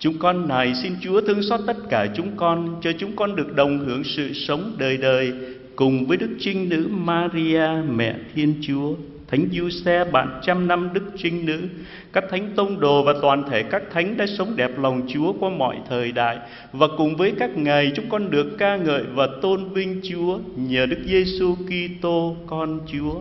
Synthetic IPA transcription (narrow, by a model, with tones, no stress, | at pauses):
t͡ɕʊ˨˦ŋ͡mkɔ˧nːa˨˩jsi˧nt͡ɕu˨˦ət̪ʰɨ˧əŋsɔː˦˥t̚t̪ə˦˥t̚kaː˧˩t͡ɕʊ˨˦ŋ͡mkɔ˧nt͡ɕɔ˧t͡ɕʊ˨˦ŋ͡mkɔ˧nɗɨ˨˩ək̚ɗə˨˩wŋ͡mɦɨ˧˩əŋsɨ̰˧˨sə˨˦wŋ͡mɗəː˨˩jɗəː˨˩j | kʊ˨˩ŋ͡mvəː˨˦jɗɨ˦˥k̚t͡ɕï˧ŋ̟nɨ̰˧˥maː˧ɾi˧aː˧mɛ̰˧˨t̪ʰi˧ənt͡ɕu˨˦ə | t̪ʰa˨˦jŋ̟zu˧sɛ˧ɓa̰ː˧˩nt͡ɕa˧mna˧mɗɨ˦˥k̚t͡ɕï˧ŋ̟nɨ̰˧˥ | kaː˦˥k̚t̪ʰa˨˦jŋ̟t̪ə˧wŋ͡mɗo˨˩vaː˨˩t̪waː˨˩nt̪ʰe˧˩kaː˦˥k̚t̪ʰa˨˦jŋ̟ɗa̰ː˧˥sə˨˦wŋ͡mɗɛ˨˩p̚la˨˩wŋ͡mt͡ɕu˨˦əkwaː˧mɔ̰˧˨jt̪ʰəː˨˩jɗa̰ː˧˨j | vaː˨˩kʊ˨˩ŋ͡mvəː˨˦jkaː˦˥k̚ŋa˨˩jt͡ɕʊ˨˦ŋ͡mkɔ˧nɗɨ˨˩əkːaː˧ŋə̰ː˧˨jvaː˨˩t̪o˧nvï˧ŋ̟t͡ɕu˨˦əɲəː˨˩ɗɨ˦˥k̚ze˧su˧ki˧t̪o˧kɔ˧nt͡ɕu˨˦ə